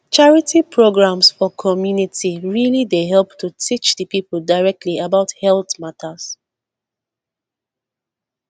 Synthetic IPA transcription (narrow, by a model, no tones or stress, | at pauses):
t͡ʃaɹitipʰɹoɡɹãmsfɔkʰɔmjunitiɹilideɦɛlˠptutʰit͡ʃdəpipl̩daɪɹɛk̚tʰliabaʊthɛlˠθmatʰəs